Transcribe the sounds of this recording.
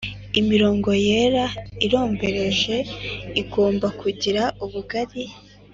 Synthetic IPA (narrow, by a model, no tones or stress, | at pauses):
imiɾo̞ːŋɡo̞je̞ɾaiɾo̞ːmbe̞ɾe̞ʒe̞iɡo̞ːmbakʰuɟiɾauβuɡaɾi